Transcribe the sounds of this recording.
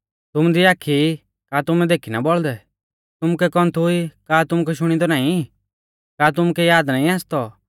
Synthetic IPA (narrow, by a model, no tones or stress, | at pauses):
t̪ʊmd̪iaːkʰːi | kaːt̪ʊmɛ̃d̪eːkʰinabɔɭd̪ɛ | t̪ʊmukɛkɔ̃nt̪ʰuikaːt̪ʊmukɛʃʊɽ̃id̪ɔnãːĩ | kaːt̪̬ʊmukɛjaːd̪nãːĩaːst̪ɔ